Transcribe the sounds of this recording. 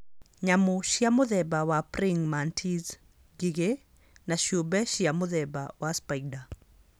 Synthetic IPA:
ɲamoʃjamʊðɛbawapɾɪŋmantʰiz | ɡiɡe | naʃobɛʃjamʊðɛbawaspajɡda

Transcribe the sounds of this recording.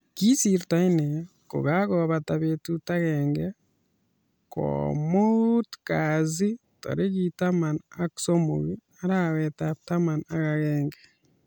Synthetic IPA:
kisiɾutaine | ko̰ɣaɣoβataβetutaɣeŋɡe | ko̰motu̥kazi | to̰ɾeɣitamanaku̥somoɣi | aɾawetatamanaɣaɣeːŋɡe

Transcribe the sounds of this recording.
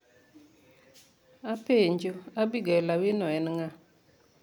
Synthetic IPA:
apeɲd͡ʒoabiɡɛlawɪnɔɛnŋa

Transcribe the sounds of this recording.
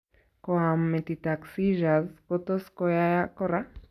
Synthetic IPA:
koamːẽt̪it̪aksiʒazkot̪oskojajakora

